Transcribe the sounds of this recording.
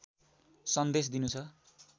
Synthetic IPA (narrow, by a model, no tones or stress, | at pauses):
sʌnd̪esd̪inut͡sʰʌ